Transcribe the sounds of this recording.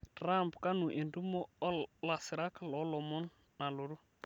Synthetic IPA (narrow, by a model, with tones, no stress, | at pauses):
tɾa˦mpka˦nu˨ʔe˨ndu˦mɔ˦ɔ˦la˨si˨ɾa˦klɔ˨˦lɔ˨mɔ˦n | na˨lo˨ɾu˦